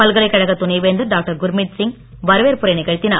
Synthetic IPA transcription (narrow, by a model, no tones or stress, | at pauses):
ɐlɣɐɭɐɪkːɐɻɐɣɐt̪ːʊnɐɪʋeːnd̪ɐɖaːk̚ʈɐɾɡʊɾmɪʈsɪŋ | ʋɐɾɯʋeːɾpʊɾɐɪnɪɣɐɻt̪ːɪna̰ː